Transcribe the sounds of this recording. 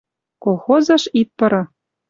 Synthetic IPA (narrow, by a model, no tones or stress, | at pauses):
kolˠxozɑʃit̪̚pɤ̆ɾɤ̆